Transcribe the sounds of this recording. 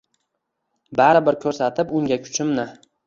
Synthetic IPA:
baɾɪbɪɾkʲʰɵɾsat̪ʰɪpʊŋɡʲakʰʊ̥t͡ʃʰɪmnɪ

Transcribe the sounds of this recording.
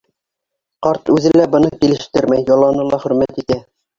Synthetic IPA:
qɑɾt̪ʉðɘlæbɤ̆nɤkilɘ̆ʃt̪ɘɾmæjːɑlˠːɑnɤlˠɑχɵ̆ɾmæt̪it̪æ

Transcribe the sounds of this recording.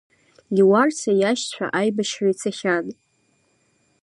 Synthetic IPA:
iwart͡sʰajaʃt͡ɕʷᶣʰa̰ʔajbaʃrait͡sʰaχʲan

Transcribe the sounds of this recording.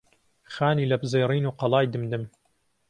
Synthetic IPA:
xaːniːlɐbzejriːnuːqɑlˠɑːjd̪ɨmd̪ɨm

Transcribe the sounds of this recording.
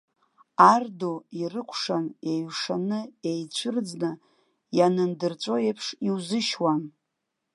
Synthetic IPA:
ardoirɨkʷʰʂanejɥʂanɨejt͡ɕʷʰɨrd͡znɨ | janɨndɨrt͡sʷʼo̞epʰʂiwzɨʃwan

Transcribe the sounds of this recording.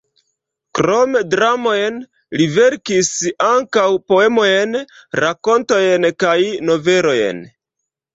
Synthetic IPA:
kɾo̞medɾamo̞jn | live̞ɾkisaŋkawpoe̞mo̞jenɾako̞nto̞jenkajno̞ve̞ɾo̞jḛn

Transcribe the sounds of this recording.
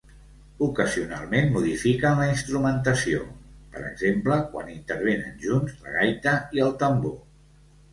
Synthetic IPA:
ukəziuna̰lˠmenmuðifikənləinst̪ɾumənt̪əsio̰pəɾə̰ɡzempləkwa̰nint̪əɾβ̞enə̰nʒunzlə̰ɣajt̪əiəlˠt̪əmbo

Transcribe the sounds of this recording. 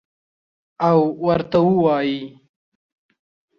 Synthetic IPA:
awːɐɾt̪awuwɑːji

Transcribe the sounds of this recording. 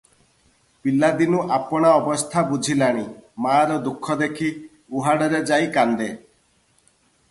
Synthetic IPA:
pilːad̪inuʔapɔɽ̃aɔbɔst̪ʰabud͡ʒʱilaɽ̃imaɾɔd̪ukʰːɔd̪ekʰi | uɦaɽɔɾed͡ʒajkand̪e

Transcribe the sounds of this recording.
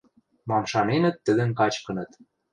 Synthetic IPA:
mɑmʃɑnenə̆t̪ːə̆d̪ə̆nkɑt͡ɕkɤ̆nɤ̆t̪

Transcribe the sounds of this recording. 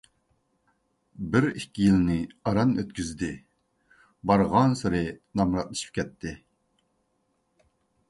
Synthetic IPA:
bɪɾikʲːijilnɪɑɾɑnøt̪̚kʲyzd̪ɪ | bɑɾʁɑnsɨɾɪnɑmɾɑt̪̚lˠɨʃi̥p̚kʲɛt̪ʰːɪ

